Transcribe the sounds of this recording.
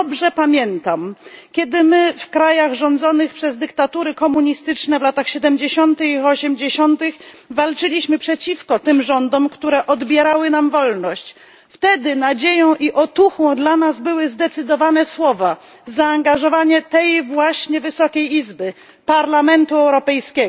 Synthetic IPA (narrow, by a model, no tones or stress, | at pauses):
ɔbʐɛpamʲjɛnt̪amkʲjɛd̪ɘmɘfkɾajaɣʐɔnd̪zɔnɘxpʂɛzd̪ɘkt̪at̪uɾɘkɔmuɲist̪ɘt͡ʂnɛvlat̪axɕɛd̪ɛmd͡ʑeɕɔnt̪ɘxiɔɕɛmd͡ʑeɕɔnt̪ɘxvalt͡ʂɘlʲiɕmɘpʂɛt͡ɕifkɔt̪ɘmʐɔnd̪ɔmkt̪uɾɛʔɔd̪bʲjɛɾawɘnamvɔlnɔɕt͡ɕ | ft̪ɛd̪ɘnad͡ʑejɔ̃w̃ʔiʔɔt̪uxɔ̃w̃d̪lanazbɘwɘzd̪ɛt̪sɘd̪ɔvanɛswɔva | zaːŋɡaʐɔvaɲɛt̪ɛjvwaɕɲɛvɘsɔkʲejizbɘ | paɾlamɛnt̪uɛwɾɔpɛjskʲɛɡɔ